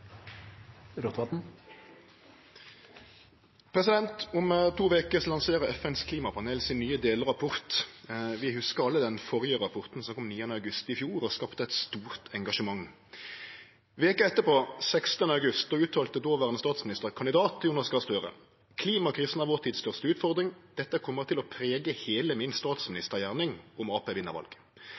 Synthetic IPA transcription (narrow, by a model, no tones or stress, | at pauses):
ɾɔt̪ʋɑt̪n̩ | pʰʁɛsɪd̪ɛnt̪ʊmt̪ʰuːʋeːkəslɑŋseːʁəɛfɛnskʰliːmɑpʰɑneːlsɪnːyːəd̪eːləʁɑpʰɔʁt̪ʋɪhʉskəɑlːəd̪ɛnfɔʁjəʁɑpʰɔʁt̪n̩sɔkʰɔmniːənəɑʉɡʉst̪ɪfjuːʁɔskɑpt̪əɛɪt̪st̪uːʁt̪ʰɛŋɡɑʃəmɑŋ | ʋeːkəɛt̪ːəpoːsɛkst̪ənəɑʉɡʉst̪̚d̪oːʉːt̪ʰɑːlt̪əd̪oːʋæːʁɛnst̪ɑːt̪smɪnɪst̪əkʰɑnd̪ɪd̪ɑːt̪juːnɑskɑst̪øːʁə̰ | kʰliːmɑkʰʁiːsn̩ɑʋɔʁt̪ʰiːd̪st̪œʁst̪əʉːt̪fɔʁd̪ʁɪŋd̪̥ɛt̪ːəkʰɔmːəʁt̪ʰɪlɔpʰʁeːɡəheːləmɪnst̪ɑːt̪smɪnɪst̪əjæːʁnɪŋɔmɑːpeːʋɪnːə̰ʁʋɑ̰lɡ̥